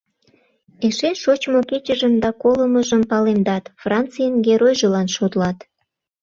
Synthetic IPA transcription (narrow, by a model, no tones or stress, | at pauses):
eʃeʃot͡ɕmoket͡ɕəʒəmd̪ɑkoləməʒəmpɑlemd̪ɑt̪frɑnt̪t͡sɨjənɡeɾojʒelɑnʃot̪lɑt̪